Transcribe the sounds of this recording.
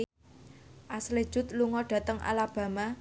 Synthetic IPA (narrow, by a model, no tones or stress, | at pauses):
ʔasled̥ʒ̥ʊ̤t̪̚luŋɔɖ̥ä̤t̪əŋʔa̰lab̥ä̤ma